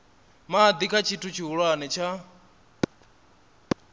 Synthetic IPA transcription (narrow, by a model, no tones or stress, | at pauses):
maːd̪ikʰat͡ʃʰitʰut͡ʃʰiɦuɺwanɛt͡ʃʰa